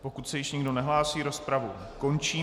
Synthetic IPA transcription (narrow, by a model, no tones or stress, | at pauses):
po̞kut̪sɛjɪʃɲɪɡdo̞nɛɦlaːsiːɾo̞spɾavṵ | ko̞nt͡ʃiː